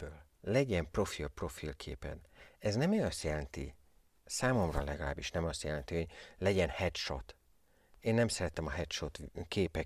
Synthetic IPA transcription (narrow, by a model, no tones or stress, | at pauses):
øːl | lɛɟɛmpro̞filpro̞filkʰḛːpɛ̰nɛznɛmeɒst̪jɛlɛnt̪ḭ | saːmo̞mrɒ̰lɛɡɒla̰ːbiʃnɛmɒst̪jɛlɛnt̪ihoɟlɛɟɛnhɛt̪ʃot̪ | eːnːɛmsɛɾɛt̪ɛmɒɦɛt̪ʃot̪keːpɛ